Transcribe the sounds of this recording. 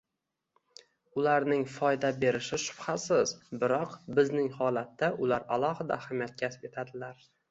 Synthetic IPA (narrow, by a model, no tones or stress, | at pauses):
ʊlaɾnɪŋfɒjd̪abe̞ɾɪʃɪʃʊ̥b̥hasɪzbɪɾɒqbɪznɪŋhɒlat̪ːaʔʊlaɾalˠɒhɪd̪a̰hamjat̪̚kʲʰasɪ̥pe̞t̪ʰad̪ɪlaɾ